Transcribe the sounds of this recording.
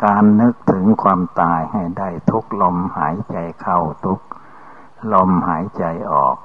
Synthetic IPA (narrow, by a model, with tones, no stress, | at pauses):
kaː˧nːɯ˦˥k̚t̪ʰɯ˩˦ŋkʰwaː˧mt̪aː˧jha˧˩jda˥˩jt̪ʰu˦˥k̚lo˧˩mhaː˩˦jt͡ɕa˨˧jkʰa˥˧˩wt̪ʰu˦˥k̚ | lo˧mhaː˩˦jt͡ɕa˧jʔɔ̰ː˨˩k̚